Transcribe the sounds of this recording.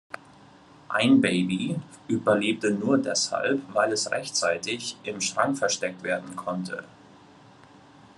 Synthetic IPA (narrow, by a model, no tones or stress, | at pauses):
ʔa̰ɪnbeɪbi | ʔyːbɐleːp̚tənuːɐdɛ̰sha̰lpvaɪlɛsʁɛ̰çt͡saɪtɪçʔɪmʃtʁ̥aŋfɛɐʃtɛk̚tv̥eːɐdn̩kʰɔntʰə̰